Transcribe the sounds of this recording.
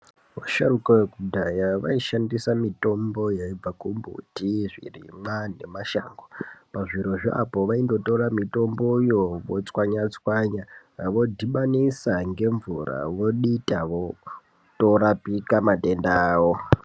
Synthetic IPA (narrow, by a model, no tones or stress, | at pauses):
ʋoʃarukawekudʱajaʋa̰iʃandisamito̞mbo̞jaib͡vakumbʱṵtiʐḭrḭmwane̞maʃa̰ːŋɡopaʐiɾo̞ʐea̰po̞ʋaindo̞to̞ɾamito̞mbo̞jo̞ʋot͡swaɲat͡swaɲaʋo̞dʱiɓanisaŋɡe̞ɱvura̰ʋo̞ɗitaʋo | toɾapikamate̞ndaːwo